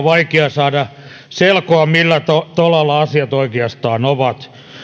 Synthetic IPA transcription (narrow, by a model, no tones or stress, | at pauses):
ʋɑikeɑsɑːdɑ | selkoɑmilːæt̪ot̪olɑlːɑɑsiɑt̪oikeɑst̪ɑːnoʋɑt̪